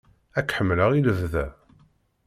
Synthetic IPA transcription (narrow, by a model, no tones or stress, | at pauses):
ækːħəmːləʁiləvðæ